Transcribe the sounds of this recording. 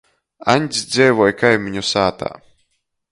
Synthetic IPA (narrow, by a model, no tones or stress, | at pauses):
a̰nʲsʲd̪zʲɛjvɔjkajmʲiɲusaːt̪a̰ː